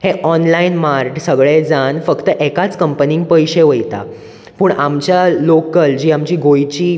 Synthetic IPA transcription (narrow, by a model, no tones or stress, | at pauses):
heʔɔnlainmaɾʈsəɡɭed͡zanfəkt̪əʔekat͡skəmpəniŋɡ̚pəjɕeʋəjt̪a̰ | puːɳamt͡ɕjalokəld͡ʑiːamt͡ɕiːɡojt͡ɕiː